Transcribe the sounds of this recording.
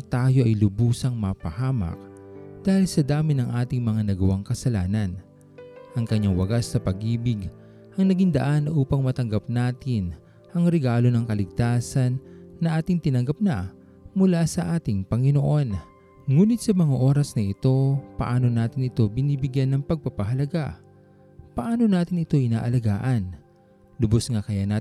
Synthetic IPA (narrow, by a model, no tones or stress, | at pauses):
t̪aːjo̞ʔɐjlʊbuːsɐŋmɐpɐhaːmɐ̰k̚d̪̥aːhɪlsɐd̪aːmɪnɐŋʔaːt̪ɪŋmɐŋanɐɡɐwaŋkɐsɐlaːnɐn | ʔɐŋkɐɲːaŋwɐɡasnɐpɐɡiːbɪɡ | ʔɐŋnɐɡiŋd̪ɐʔanʔuːpɐŋmɐt̪ɐŋɡap̚naːt̪ɪn | ʔɐŋɾɛɡaːlo̞nɐŋkɐlɪɡ̚t̪aːsɐnːɐʔaːt̪ɪŋt̪ɪnɐŋɡap̚nɐ | mʊlasɐʔaːt̪ɪŋpɐŋɪnoʔo̞n | ŋuːnɪt̪̚sɐmɐŋaʔo̞ːɾɐsnɐʔɪt̪o̞pɐʔaːno̞naːt̪ɪnɪt̪o̞bɪniːbɪɡjanːɐŋpɐɡ̚pɐpɐɦɐlɐɡaʔ | pɐʔaːno̞naːt̪ɪnɪt̪o̞ʔɪna̰ːʔɐlɐɡa̰ːʔɐn | lʊbosŋakɐjana